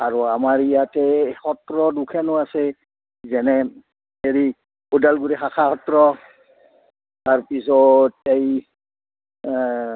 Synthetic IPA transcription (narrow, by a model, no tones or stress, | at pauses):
aɹuamaɹijatɛhɔtɹɔdukʰɛnʊasɛ | zɛnɛ | eɹi | odalɡuɹɛxakʰahɔtɹɔ | taɹpisɔtej